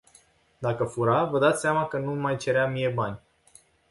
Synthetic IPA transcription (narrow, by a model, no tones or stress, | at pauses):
d̪akəfuɾavəd̪at̪sʲsʲeamakənumajt͡ʃe̞ɾeamijebanʲ